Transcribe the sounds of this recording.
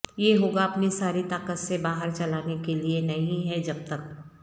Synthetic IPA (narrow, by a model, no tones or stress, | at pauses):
jeɦoːɡaɐpnisaːɾit̪aːkət̪sebaːɦəɾt͡ʃɐlaːnekelienɐɦĩɦɛd͡ʒɐb̚t̪ɐk